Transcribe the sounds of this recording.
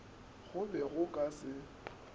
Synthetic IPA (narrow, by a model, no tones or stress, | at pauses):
ɣʊbɛɣʊkʼasɪ